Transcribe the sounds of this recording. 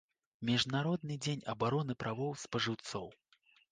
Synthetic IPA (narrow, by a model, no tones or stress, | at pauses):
mʲiʐnaɾɔd̪̚nɨd͡zʲenʲɐbaɾɔnɨpɾavɔwspɐʐɨwt̪sɔw